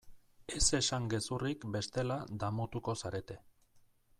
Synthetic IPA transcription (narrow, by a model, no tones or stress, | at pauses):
e̞se̞saŋɡe̞surikbe̞st̪e̞lad̪amot̪uko̞saɾe̞t̪e̞